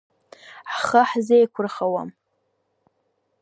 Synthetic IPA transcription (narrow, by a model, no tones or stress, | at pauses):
ʕχəħzejkʷʰʊrχawa̰m